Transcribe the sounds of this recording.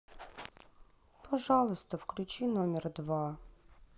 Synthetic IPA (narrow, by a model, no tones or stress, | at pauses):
pɐʐɑlˠʊst̪əfklʲʉt͡ɕinomʲɪrd̪va